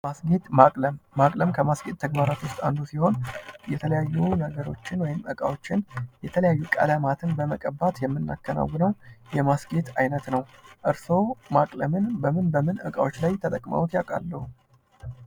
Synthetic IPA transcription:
masɡe̞t̪makʼləmːakʼləmkʰəmasɡe̞t̪̚ʰːəɡbaɾat̪wʊst̪ʼa̰nd̪usiho̞njɛt̪ʰələjajːunəɡəɾo̞̰t͡ʃːɪnwɔjɪmʔəkʼa̰wo̞t͡ʃːɪnjɛt̪ʰələjajːukʼə̰lamat̪ʰɨnbəməkʼəbat̪jɛmːɨnːa̰kːəna̰wːɨnəwjɛmasɡe̞t̪ajnət̪nəwʔɨɾso̞makʼləmɨnbəmɨnbəmɨnʔə̰kʼa̰wo̞t͡ʃːlajt̪ʰət̪ʼəkʼma̰wut̪jakʼa̰lːəhu

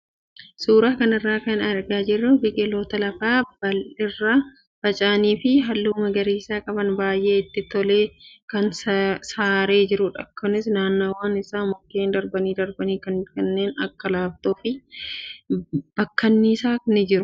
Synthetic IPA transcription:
suːɾaːkɐnɪrːaːkɐnɐɾɡaːd͡ʒɪrːʊbɪkʼɛloːt̪ɐlɐfaːbɐlɪrːa | b̥ɐt͡ʃʼaːniːfɪɦɐlːuːmɐɡɐɾiːsaːkʼɐbɐnbaːjʔe̞ːɪt̪ːɪt̪ɔleːkɐnssaːɾe̞ːd͡ʒɪɾʊᶑɐ̰kːɐnɪsnaːnːoːwaːnɪsaːmɔkːeːnd̪ɐɾbɐniːd̪ɐɾbɐniːkɐnkɐnːe̞ːnɐ̰kːɐlaːft̪oːfɪ | b̥ɐkːɐnːiːsaːnɪd͡ʒɪɾʊ

